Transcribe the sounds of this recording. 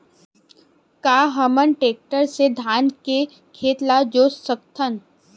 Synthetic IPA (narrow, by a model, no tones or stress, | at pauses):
kaːɦəmənʈeːk̚ʈəɾsed̪ʱaːnke | kʰeːt̪lad͡ʒoːssək̚t̪ʰən